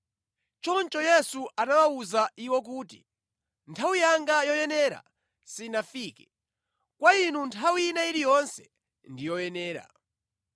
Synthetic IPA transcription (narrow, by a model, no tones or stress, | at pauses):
t͡ʃɔnt͡ʃɔjɛsuanawauzaʔiwɔk̬uːtḭ | ntʰawijaŋɡajɔjɛnɛːɾa̰ | sinafiːkɛ̥ | kwainuntʰawinaiɾijɔnsɛ̥ | ndijɔjɛnɛːɾa̰